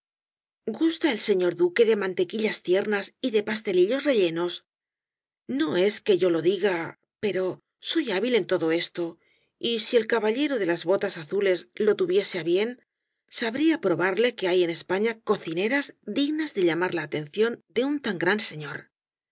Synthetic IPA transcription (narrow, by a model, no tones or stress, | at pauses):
ɡust̪aelse̞ɲo̞ɾðuke̞ðe̞mãnt̪e̞kiʎast̪je̞ɾnasiðe̞past̪e̞liʎo̞zre̞ʎe̞no̞s | no̞e̞ske̞ʝo̞lo̞ðiɣa | pe̞ɾo̞ | so̞jaβile̞nt̪o̞ðo̞e̞st̪o̞ | isie̞lkaβaʎe̞ɾoðe̞lazβo̞t̪asaθule̞zlo̞t̪uβje̞se̞aβje̞n | saβɾiapɾo̞βaɾle̞ke̞aje̞ne̞spaɲako̞θine̞ɾazd̪iɣnazðe̞ʎamaɾlaːt̪e̞nθjo̞nd̪e̞unt̪aŋɡɾanse̞ɲo̞ɾ